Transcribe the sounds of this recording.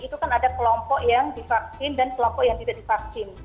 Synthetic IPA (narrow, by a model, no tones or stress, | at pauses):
it̪ukanadakəlɔmpɔʔjaŋdifak̚sɪndankəlɔmpɔʔjaŋt̪idaʔdifak̚sɪn